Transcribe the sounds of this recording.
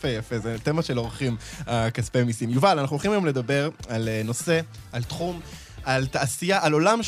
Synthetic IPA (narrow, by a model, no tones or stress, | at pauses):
ejafezet̪emaʃelo̞ʁχimakaspemisimjuvalanaχnuolχimajomle̞d̪abe̞ʁalno̞se̞ | alt̪χum | alt̪aʔasijaʔalo̞lam